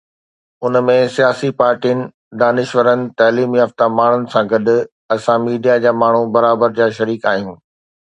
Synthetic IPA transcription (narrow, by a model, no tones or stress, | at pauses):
ʊnmẽsijaːsipaːɾʈiənɪ̆ | d̪aːnɪʃʋəɾənɪ̆t̪ɐːliːmɦɐft̪amaːɳ̤ʊnɪ̆sãɡɐɗʊ̆ | ɐsãmiːɖijad͡ʑaːmaːɳ̤ũbɐɾaːbəɾd͡ʑaːʃɐɾiːkaːɦijũː